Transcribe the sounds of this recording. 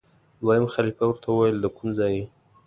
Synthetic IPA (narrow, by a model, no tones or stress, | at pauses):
d̪wɑjamxalifawəɾt̪ʰawəwajəld̪əkumzɑje